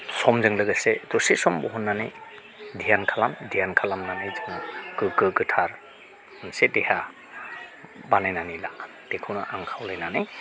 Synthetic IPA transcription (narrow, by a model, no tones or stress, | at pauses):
sɔmzɯŋlɯɡasedɔsesɔmbɔɦɔnːana̰j | dʱijankʰalamdʱijankʰalamnanajzɯŋakɯkɯɡɯtʰaɾ | nsedeha | banajnanila | d̥ekʰɯwna̰ʔaŋkʰawlajnanaj